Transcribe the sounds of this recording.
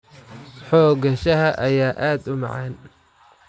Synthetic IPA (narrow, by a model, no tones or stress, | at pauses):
ħɔːɡɐʃɐɦɐʔɐjaːʔaːd̪ʊmɑ̰ʕɑːn